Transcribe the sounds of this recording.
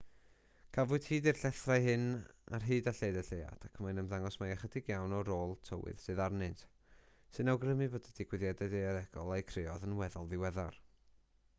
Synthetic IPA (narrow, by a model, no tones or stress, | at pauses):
kʰavʊɨd̥hiːdirɬɛθrajɦɨna̰rɦiːdaɬejdɛɬeja̰d̥akʰəmajnəmðaŋɔsmajaχədɪɡjawnɔɾoːlˠtʰəwɨ̰ð̥sɨːðarnɨntʰ | sɨnawɡrəmɨvodəd̥ɪɡwɪðjɛdɛdejaɾɛɡɔlˠajkʰrɪɔðənwɛðɔlˠvɪwɛðar